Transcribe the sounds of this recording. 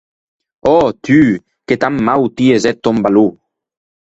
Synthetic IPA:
ɔt̪y | ket̪amːawt̪iezɛt̪ːɔmbalu

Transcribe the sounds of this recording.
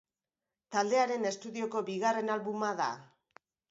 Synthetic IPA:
t̪ald̪e̞aɾe̞ne̞st̪uðio̞ko̞βiɣare̞nalβumaða̰

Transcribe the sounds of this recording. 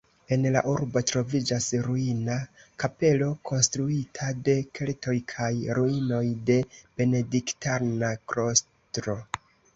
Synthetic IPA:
e̞nla̰ʔuɾbo̞tɾo̞vid͡ʒasɾuinakape̞lo̞kʰo̞nstɾuitʰade̞kʰe̞lto̞jkʰajɾuino̞jde̞b̥e̞ne̞diktaɾnakɾo̞s | tɾo̞

